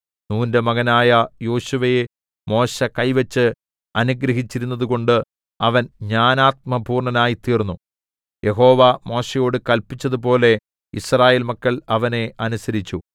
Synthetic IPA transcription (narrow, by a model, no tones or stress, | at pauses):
nuːndemɐɣɐnaːjɐjo̞ːɕuʋɐje | mo̞ːɕɐkɐjʋɐt͡ɕːɨ | ɐnuɡɾɐɦit͡ɕːiɾunːɐðuɣo̞ɳɖɨ | ɐʋɐnɲaːnaːt̪̚mɐbʱuːrɳɐnaːjit̪iːrnːu | je̞ɦo̞ːʋamo̞ːɕejo̞ːɽɨkɐlpit͡ɕːɐðupo̞ːle̞ | ḭsraːje̞ːlmɐkːɐɭɐʋɐne̞ʔɐnusɐɾit͡ɕːu